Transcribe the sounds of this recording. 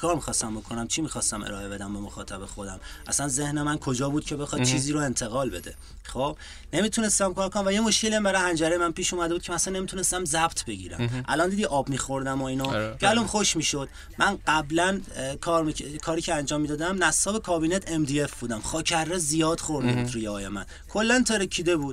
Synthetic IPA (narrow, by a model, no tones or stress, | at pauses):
kʰɒːɾmixɒːst̪æmbo̞kʰo̞næmt͡ʃʰimixɒːst̪æmʔḛɾɒːʔe̞be̞d̪æmbemo̞̰xɒ̰ːt̪ʰæbe̞xo̞d̪æ̰mʔæ̰sænze̞hnemænkʰo̞d͡ʒɒːbuːd̪̚cʰe̞be̞xɒːd̪̚t͡ʃʰiːziːɾoe̞nt̪ʰe̞ɣɒːlbe̞̰d̪e̞ | χob̥ | ne̞miːt̪ʰune̞st̪æmkʰɒːɾkʰonæmvæjemo̞ʃke̞liæmbæɾɒjhænd͡ʒæɾejemænpiːʃuːmæd̪e̞buːd̪cʰeæsænːe̞mit̪ʰune̞st̪æmzæbt̪ʰbe̞ɟḭːɾæ̰mʔæ̰lɒːnd̪iːd̪iʔɒːbmiːxo̞ɾd̪æmɒinɒcʰeælomxoʃmiːʃod̪̥ | mʔænɢæblænkʰɒːɾmʰekʰɒːɾiːcʰeænd͡ʒɒːmːiːd̪ɒːd̪æmnæsɒːbe̞kʰɒːbiːnet̪ʰemd̪iefbuːd̪æmxɒːcʰærːezijɒːd̪̥χoɾmnibuːd̪ɾujeɒːjemæ̰nkʰolːænt̪ʰeɾecʰːiːd̪e̞buːd̪̥̚